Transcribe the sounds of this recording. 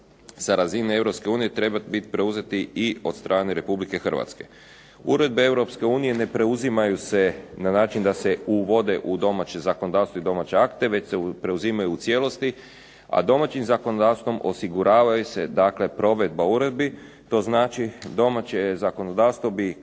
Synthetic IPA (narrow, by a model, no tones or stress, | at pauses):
saɾazinae̞wɾo̞pskeuːnije̞t̪ɾe̞bat̪bit̪i̥pɾe̞uze̞t̪iio̞̰t̪st̪ɾʔaːne̞ɾe̞publike̞xr̩ʋa̰t̪ske̞ | uɾe̞d̪̚bee̞wɾo̞pske̞uːnije̞ne̞pɾe̞uzimajuse̞nanaːt͡ʃind̪ase̞uʋo̞d̪e̞ʔud̪o̞mat͡ɕe̞zako̞nod̪aːʋst̪ʋoid̪o̞mat͡ɕe̞akt̪e̞ʋe̞t͡ɕsepɾe̞uzimajuːt̪sje̞lˠo̞st̪i | a̰d̪o̞mat͡ɕimzako̞nod̪aːʋst̪ʋo̞mʔo̞siɡuɾaːʋajuse̞d̪akle̞pɾo̞ʋe̞d̪̚bauɾe̞d̪̚bi | t̪o̞ːznaːt͡ʃid̪o̞mat͡ɕezako̞no̞d̪aːʋst̪ʋo̞bi